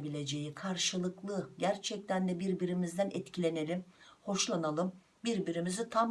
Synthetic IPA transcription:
bilʲe̞d͡ʒe̞jikʰaɾʃɯlˠɯklˠɯɟæɾt͡ʃʰɛc̚t̪ʰænd̪ɛbiɾbiɾimizd̪ænɛt̪cʰilʲe̞ne̞lʲimho̞ʃlˠanalˠɯm | biɾbiɾimizit̪ʰam

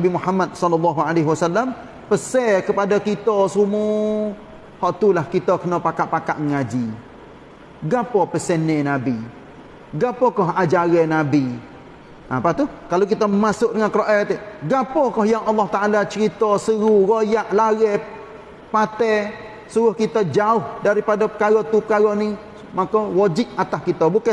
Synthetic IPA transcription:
nbimuhamːad̚sɔlɔlːɑɦualeɦiwasalːam | pəsɛkəpadakit̪ɔsumu | hɔʔt̪ulahkit̪əkənɔpakaʔpaka̰ʔŋad͡ʒi | ɡapɔpəsɛnɛnabi | ɡapɔkɔɦad͡ʒaɣɛnabi | ʔapat̪ukalok̬it̪ɔmasʊk̚dəŋankəɾoʔɛt̪ɡapɔkɔhjaŋʔɑlːɑht̪aʔalat͡ʃəɾit̪ɔsəɣuɣojaʔlaɣɛ | pat̪ɛ | suɣʊhkit̪ɔd͡ʒaʊhdaɾipadapə̥kaɣɔt̪upəkaɣɔni | makɔwɔd͡ʒɪʔat̪ahkit̪ɔbukɛ

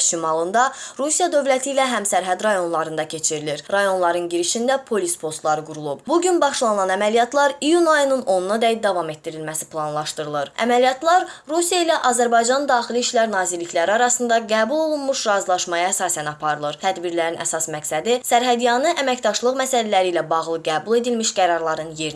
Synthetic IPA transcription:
ʃimɑlˠɯnd̪ɑɾusijɑd̪ø̞vlæt̪ʰiːlæɦæmsæɾɦæd̪ɾɑjo̞nlˠɑɾɯnd̪ɑcʰe̞t͡ʃʰiɾiliɾɾɑjo̞nlˠɑɾɯnɟiɾiʃind̪æpʰo̞lispʰo̞st̪lˠɑɾɯɡuɾulˠubbuɟynbɑʃlˠɑnɯlɑnæmælijɑt̪ʰlˠɑɾijunɑjɯnɯno̞nunɑd̪æjd̪ɑvɑme̞t̪dːiɾilmæsi̥plˠɑnlˠɑʃt̪ɯɾɯlˠɯɾæ̰mælijɑt̪ʰlˠɑɾɾusijɑilæʔɑzæɾbɑjd͡ʒɑnd̪ɑːχiliiʃlæɾnɑːzilːiçlæɾiɑɾɑsɯnd̪ɑɡæːbulˠo̞lˠunmuʃɾɑzlˠɑʃmɑjɑæsɑːsænɑpʰɑɾɯlˠɯɾt̪ʰæd̪biɾlæɾinæ̰sɑsmæksæd̪isæɾɦæd̪ijɑnɯʔæmæcd̪ɑʃlˠɯʁmæsælælæɾiːlæbɑʁlˠɯɡæːbulˠe̞d̪ilmiʃɡæɾɑɾlˠɑɾɯnjeɾn

